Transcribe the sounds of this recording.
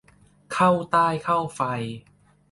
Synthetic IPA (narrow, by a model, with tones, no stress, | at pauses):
kʰa˥˩wt̪aː˥˩jkʰa˥˩wfa˧j